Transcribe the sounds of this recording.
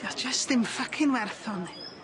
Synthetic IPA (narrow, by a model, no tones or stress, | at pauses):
jad͡ʒəstɪmfakʰɪnwɛrθɔni